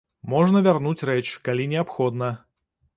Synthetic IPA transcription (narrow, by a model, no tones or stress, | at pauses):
mɔʐnəvʲarnut͡sʲrɛt͡ʃkalʲinʲɪapxɔd̪nə